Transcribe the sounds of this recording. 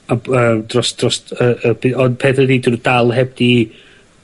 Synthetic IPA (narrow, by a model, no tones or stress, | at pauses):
aəːmd̥rɔsd̥rɔsəəb̥ɪɔnpʰɛθədiːdrd̥alˠɦɛb̚d̥i